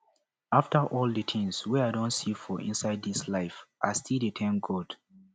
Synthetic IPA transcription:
aftəʔɔlˠdətʰĩŋswɛadõntsifɔʔḭ̃nsaɪd̚dislaɪfʔa̰stʰildɨtʰãmɡod̥

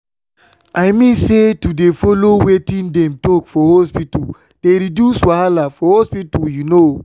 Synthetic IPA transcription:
ajmĩnsetudefolowetĩndɛ̃mtɔkfɔhospitu | d̥eɾidjuswaalafɔhospituljuno

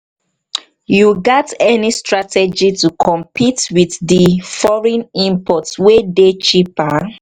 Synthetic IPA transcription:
juɡɛtɛnistɹatɛd͡ʒitukʰɔ̃mpʰitwiθdifɔɹɛ̃nĩmpʰɔtwedet͡ʃipa

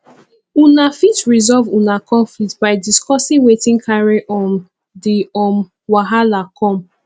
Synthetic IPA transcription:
unafitɹizɔlvunakɔ̃nflik̚tbaɪdiskɔsĩŋwetĩŋkʰaɹeʔɔ̃n | diɔm | waɦalakɔ̃m

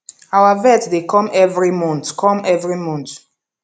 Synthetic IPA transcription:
awavɛtdekɔ̃mɛvɹimɔ̃ntkʰɔ̃mɛvɹimɔ̃nt

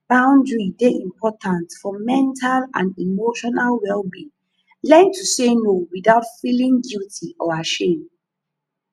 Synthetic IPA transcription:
b̥ãʊ̃ndɹideʔĩmpʰɔtãntfɔmɛ̃ntʰalã̰nimoʃɔnalwɛlˠbi | lɛ̃ntʰusenowiðaʊtfilĩŋɡutʰiʔɔaʃẽm

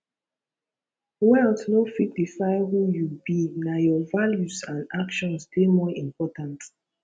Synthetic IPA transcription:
wɛltnofik̚difaɪhujubinajɔvaljusãnakʃɔ̃nsdemɔĩmpɔtãnt

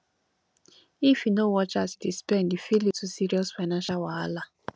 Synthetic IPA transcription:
ifinowɔt͡ʃasi̥tispɛ̃ndifilitʰusiɾiɔsfaɪnãnʃalwaala

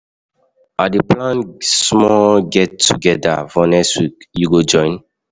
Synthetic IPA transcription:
adiplãnsmɔɡɛtːuɡɛda̰vɔnɛswikjuɡod͡ʒɔ̃ɪ̃n

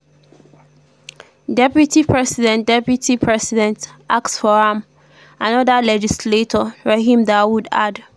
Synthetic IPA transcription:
dɛpjutʰipʰɹɛsidɛ̃ndɛpjutʰipʰɹɛsidɛ̃ntʔaktsfɔɹãm | anɔdalɛd͡ʒisletʰɔɹɛhĩmdawuda̰d

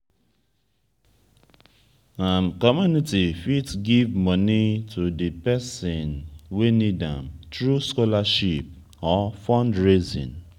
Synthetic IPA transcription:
amkɔmjunitifitɡivmɔnitʰudepɛsɪnwenidã̰mtɾuskɔlaʃip̚ | ɔfɔ̃ndɹizḭ̃n

